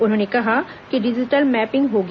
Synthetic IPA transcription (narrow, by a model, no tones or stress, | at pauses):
ʊn̤õːnekɐɦaː | kɪɖɪd͡ʒɪʈəlmɛːpɪ̃ŋɡɦoːɡ